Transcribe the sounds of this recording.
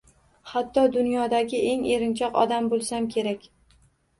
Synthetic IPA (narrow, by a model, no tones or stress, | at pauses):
hat̪ʰːɒd̪ʊnjɒd̪aɡʲɪʔe̞ŋe̞ɾɪnt͡ʃʰɒqɒ̰d̪ambolˠsamkʲʰe̞ɾakʲ